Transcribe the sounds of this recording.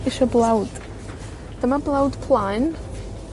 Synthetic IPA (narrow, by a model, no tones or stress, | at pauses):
ɪʃɔblˠawd̥ | d̥əmablˠawd̥pʰlˠajn